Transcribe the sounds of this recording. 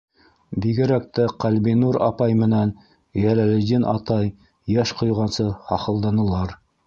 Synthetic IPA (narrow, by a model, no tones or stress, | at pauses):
biɡɘ̆ɾæk̚t̪æqælbinuɾɑpɑjmɘ̆næn | jælælɘ̆d̪inʔɑt̪ɑj | jæʃqŏjʁɑnsɤhɑχɤ̆lˠd̪ɑnɤ̆lˠɑɾ